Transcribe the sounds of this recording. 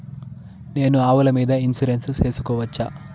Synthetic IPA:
ne̞ːnuaːʋulɐmiːd̪ɐinsuɾensuse̞ːsu̥kɔːʋɐt͡ʃːaː

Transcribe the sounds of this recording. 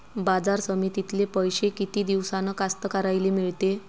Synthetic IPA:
bad͡zaɾsəmiːt̪it̪lepəjɕekit̪iːd̪iʋsanəkast̪əkaɾajlemiɭt̪e

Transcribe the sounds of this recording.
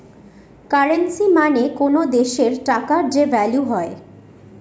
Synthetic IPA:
kaɾensimanekonod̪eʃeɾʈakaɾd͡ʑevɛljuɦɔe

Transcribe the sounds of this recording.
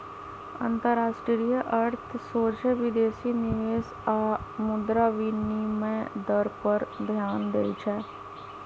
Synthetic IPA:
ə̰̃nt̪əɾaːʃʈɾijəʔəɾt̪ʰsoːd͡ʒeʋɪd̪eːsinɪʋeːs | aːmʊd̪ɾaʋiːniimẽd̪əɾpəɾb̪ʱjaːnd̪eːit͡ʃʰɛː

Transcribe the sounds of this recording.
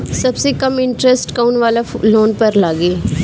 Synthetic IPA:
səbseːkəmɪɳʈɾɛsʈkaunʋaːlaːloːnpəɾlaːɡeː

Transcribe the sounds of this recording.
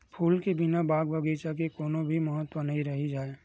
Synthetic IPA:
pʰuːlkebɪnabaːɡbəɡeːt͡ʃak̬ekoːnõbʱiməɦət̪ːwənɐɦĩɾɐɦid͡ʒaːeː

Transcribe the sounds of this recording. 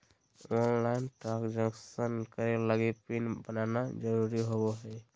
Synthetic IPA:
ɔnlaɪnʈɾakd͡ʒə̃ŋksənkəɾeləɡepinbənanad͡ʒəɾuɾiɦoboɦɛ

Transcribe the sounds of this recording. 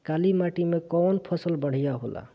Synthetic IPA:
kalimaʈimekɔnpʰəsəlbəɽ̤ijaɦola̰

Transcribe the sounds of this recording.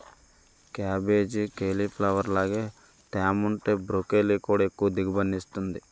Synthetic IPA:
kaːbe̞ːd͡ʒikeːliplɐʋɐɾlaːɡeː | ʈ̪aːmuɳʈeːbɾokeːliːkuːɽaekːuʋɐd̪iɡɐbɐnːist̪und̪i

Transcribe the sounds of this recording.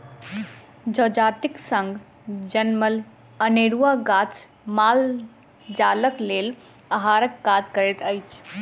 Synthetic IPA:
d͡ʒod͡ʒaːt̪iksə̃ŋɡ | d͡ʒənməl | əneɾuaɡat͡ʃ | maːl | d͡ʒaləkleːl | aɦaːɾəkːad͡ʒkəɾet̪əjt͡ʃʰ

